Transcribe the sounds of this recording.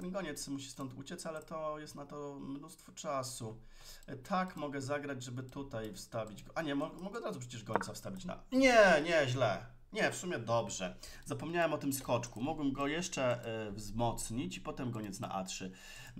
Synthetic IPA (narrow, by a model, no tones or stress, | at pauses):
ɡɔɲɛt̪smuɕi̥st̪ɔnt̪ṵt͡ɕɛt̪salɛt̪ɔjɛst̪nat̪ɔmnust̪fɔt͡ʂasu | t̪ʰakmɔɡɛzaɡɾad͡ʑʐɛbɘt̪ut̪ajfst̪avʲid͡ʑɡɔʔaɲɛmɔɡmɔɡɛɔd̪ɾazupʂ̬ɛt͡ɕɛʐʂkɔɲt̪safst̪avʲit͡ɕna̰ɲɛɲɛʑlɛ | ɲɛfsumʲjɛd̪ɔbʐɛzapɔmɲawɛmɔt̪ɘmskɔt͡ʂkumuɡwɛmɡɔjɛʂt͡ʂɛvzmɔt̪sɲit͡ɕipɔt̪ɛmɡɔɲɛt̪sna̰ʔa̰tʂɘ